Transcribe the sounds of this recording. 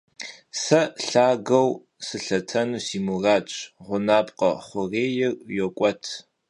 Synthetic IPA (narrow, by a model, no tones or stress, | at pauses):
sɐɬaːɡɐw | sɨɬɐtʰɐnuːsiːmuraːt͡ʃʼʁʷʊnaːpqɐχʷʊreːjɪrjokʷʼɔtʰ